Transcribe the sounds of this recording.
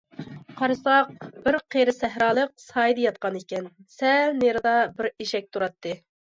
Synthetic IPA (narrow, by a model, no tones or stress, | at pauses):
qʰɑɾɨsɑq̚b̥ɪɾqʰeɾɨsɛɦɾɑːlˠəq̚sɑjd̪ɨjɑt̪̚qɑnikʲɛnsɛlneɾɨd̪ɑbɪɾeʃɛk̚ʲt̪ʰuɾɑt̪ːɨ